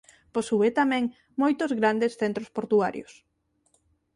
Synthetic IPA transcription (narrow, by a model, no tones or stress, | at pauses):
posuβet̪amɛ̃ŋ | mojt̪ozɣɾand̪esθent̪ɾospoɾt̪ua̰ɾjos